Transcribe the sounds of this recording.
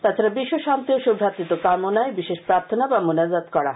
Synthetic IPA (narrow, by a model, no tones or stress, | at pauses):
t̪at͡ʃʰaɾabiʃːoʃant̪ioʃobʱat̪it̪okamonaebiʃeʃpɾaɾt̪ʰonabamunazat̪kɔɽa